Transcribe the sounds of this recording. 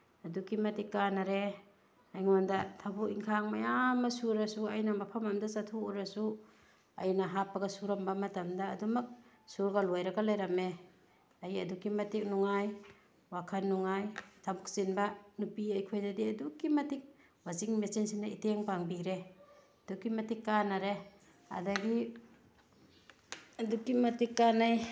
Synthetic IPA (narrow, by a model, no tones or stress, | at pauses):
ɐdukimɐtikːanaɾe | ajŋondɐtʰabukiŋkʰaŋmajamːɐsuɾɐsuɐjnamɐpʰɐmamdasatʰuuɾasu | ɐjnɐɦapːɐɡɐsuɾambamɐtɐmdaːdumɐk̚ | suɾɡalojɾaɡalajɾame | ajɐdukːimɐtik̚nuŋaj | wakʰanːuŋajtʰabuk̚sinbanupiajkʰojzadiɐdukːimɐtik̚ | waziŋmesinsinaiteŋpaŋbiɾe | dukːimɐtikːanaɾe | a̰daɡi | adukːimɐtikːanaj